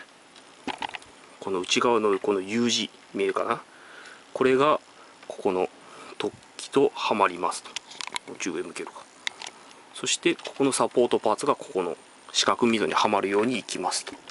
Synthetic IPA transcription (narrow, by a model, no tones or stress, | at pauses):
ko̞no̞ɯ̟t͡ɕiɡaβano̞ko̞no̞jɯːʑi | me̞ːka̰na | ko̞ɾe̞ɡa | ko̞̥ko̞no̞ | t̪o̞kʲːi̥t̪o̞hamaɾʲimasɨ̥t̪o̥ot͡ɕɨːemɯ̟ke̞ɾɯ̟kḁ | so̞ɕi̥t̪e̞koko̞no̞sapo̞ːt̪o̞paːt͡sɨɡako̞̥ko̞no̞̰ | ɕi̥kakɯ̟mʲizo̞̰ɲ̟ḭhamaɾɯ̟jo̞ːɲ̟iːkʲimasɨ̥t̪o̥